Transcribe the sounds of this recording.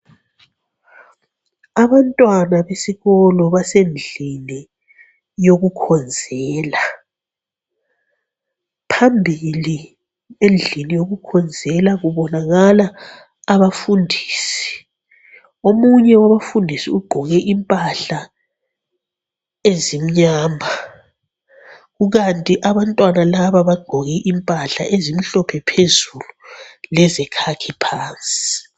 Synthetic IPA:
aβantʼwanaβesiɣɔlɔβasend͡ɮʱini | joɣukʰɔnd͡zʱɛːla | pʰambʱili | end͡ɮʱinijoɣukʰɔnd͡zʱɛlaɣuβɔnaɣalaː | βafundʱiːsi̥ | omuɲɛwaβafundʱisiuɡ͡ǃʱɔɣɛʔimpʼaɬa | ezim̩ɲaːmbʱa | ɣuɣantʼiʔaβantʼwanalaβaβaɡ͡ǃʱɔɣɛʔimpʼaɬa̰ʔezim̩ɬɔpʰɛpʰezululɛzɛkʰakʰipʰaːnt͡sʼi̥i

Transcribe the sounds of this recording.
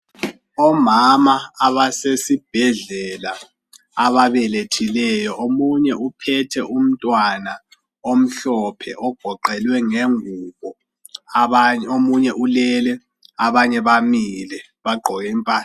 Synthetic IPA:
ɔmamaːβasesib̥ʱɛɮɛlaː | βaβɛletʰilɛjɔʔomuɲɛʔupʰɛtʰɛʔum̩tʼwana | om̩ɬɔpʰɛ̰ʔɔɡ̥ʱɔǃɛlwɛŋeŋuːβɔ | aomuɲɛʔulɛlɛ | aβaɲɛβamilɛ | βaɡ͡ǃʱɔjimpʼaː

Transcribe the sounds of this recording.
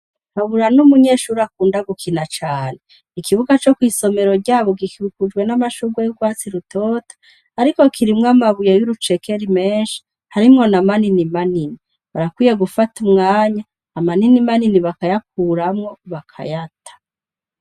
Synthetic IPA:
haβuɾanumuɲe̞ʃuːɾakuːndaɡukʰinat͡ʃaːne | ikiβuɡat͡ʃo̞kwiːso̞me̞ɾo̞ɾɟaːβoɡikiukud͡ʒɡwe̞namaʃuɡwejuɡwaːt͡siɾutʰoːtḁː | ɾiko̞kʰiɾimŋamaβujejuɾut͡ʃe̞keɾimeːnʃi̥ | haɾimŋo̞namaninimanini | βaɾakwiːjeɡufatumŋaːɲaː | maninimaniniβakajak̚uːɾamŋo̞βakʰa̰jatʰḁ

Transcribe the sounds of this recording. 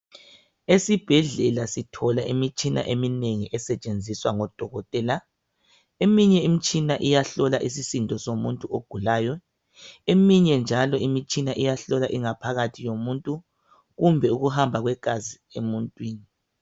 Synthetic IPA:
esib̥ʱɛɮɛlasitʰɔlaʔimit͡ʃʼina̰ʔemineŋiʔɛsɛt͡ʃʼend͡zʱiswaŋɔd̥ʱɔɣɔtʼɛːla | emiɲɛimit͡ʃʼinaʔijaɬɔlaʔis̬isintʼɔsomuntʼuoɡ̥ʱulaːjɔ | emiɲɛnd͡ʒʱalɔimit͡ʃʼinaʔijaɬɔlaʔiŋapʰaɣatʰijomuntʼu | ɣumbʱɛuɣuhambʱaɣwɛkʼazi | emuntʼwiːni

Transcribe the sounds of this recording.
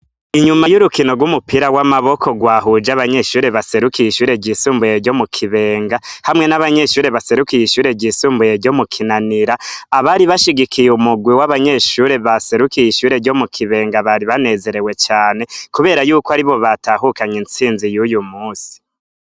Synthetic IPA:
iɲumajuɾukino̞ɡwumupiɾawamaβo̞kʰo̞ɡwaːɦud͡ʒaβaɲe̞ʃuːɾe̞βase̞ɾukijiʃuːɾe̞ɟisuːmbujeɾɟo̞mukʰiβe̞ːŋɡahamŋe̞naβaɲe̞ʃuːɾe̞βase̞ɾukijiʃuːɾeɟiːsuːmbujeɾɟo̞mukʰinaniɾaːβaɾiβaʃiɡikijumuɡwiwaβaɲe̞ʃuːɾe̞βase̞ɾukijiʃuːɾe̞ɾɟo̞mukʰiβe̞ːŋɡaβaɾiβane̞ze̞ɾe̞we̞t͡ʃaːne̞kuβe̞ːɾajuːkwaɾiβo̞βataɦukaɲint͡siːnzijujumuːsi̥

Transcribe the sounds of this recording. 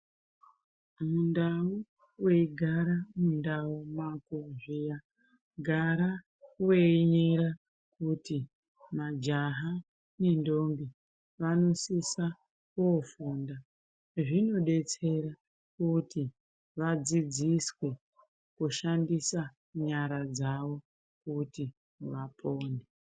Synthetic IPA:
mundau | weiɡʱaɾamundaumakuʐija | ɡʱaɾa | weɲeɾa | kuti | mad͡ʒaɦa | ne̞ndo̞mbi | ʋano̞sisa | kofunda | ʐino̞ɗe̞t͡se̞ɾa | kuti | ʋad͡zid͡ziswe̞ | kuʃandisa | ɲaɾad͡zaʋo̞ | kuti | ʋapʰo̞ːne

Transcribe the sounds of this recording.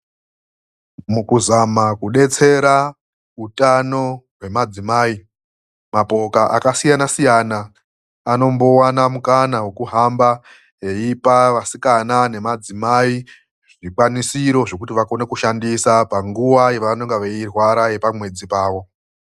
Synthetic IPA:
mukuzamakuɗe̞t͡se̞ɾa | utano̞ɦwe̞mad͡zimaːi | mapo̞kaʔakasijanasijana | ano̞mbo̞wanamukanawe̞kuɦamba | ɦe̞ipaʋasikanane̞mad͡zimai | ʐikwanisiɾo̞ʐo̞kutiʋako̞ne̞kuʃandisapaŋɡuʋajeʋanoŋɡeʋeirwaɾaje̞pamwe̞d͡zipaːʋo̞

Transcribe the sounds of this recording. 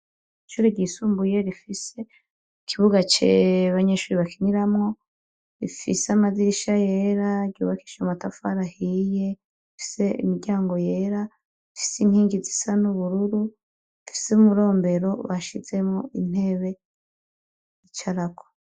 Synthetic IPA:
iʃuːɾeɡɟiːsuːmbuje̞ɾifise̞ | ikʰiβuɡat͡ʃḛβaɲe̞ːʃuɾiβakiɲiɾamŋo̞ | ɾḭfḭseamaziɾiʃaje̞ɾaɾɟṵːβaki̥ʃamatafaɾahije̞ | ifi̥se̞ḭmiɾɟaːŋɡo̞je̞ːɾa | ifi̥siŋhiːŋɡizisanuβuɾuɾu | ifi̥seumuɾo̞ːmbe̞ɾo̞βaʃize̞mŋo̞ʔin̥e̞ːβe̞ | it͡ʃaɾakʰo̥

